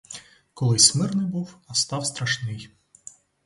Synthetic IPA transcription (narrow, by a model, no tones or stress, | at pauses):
kɔlˠɪsʲmɪrnɪjbuwɐst̪ɑwst̪ɾɐʃnɪj